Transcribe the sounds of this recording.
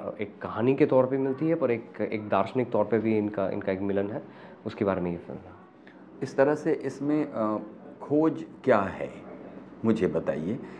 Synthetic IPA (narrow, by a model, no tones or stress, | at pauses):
ḛːkːɐɦaːniket̪ɔːɾpeimɪlt̪iɦɛpɐɾeːkḛːk̚d̪aːɾʃənɪk̚t̪ɔːɾpebʱiɪnkaʔɪ̰nkaeːkmɪlənɦɛː | ʊskebaːɾemẽjefɛ̰nzaːɦ | ɪst̪ɐɾəɦseʔɪsmẽ | kʰoːd͡ʒkjaːɦɛ̰ːmʊd͡ʒʱebɐt̪a̰ːieː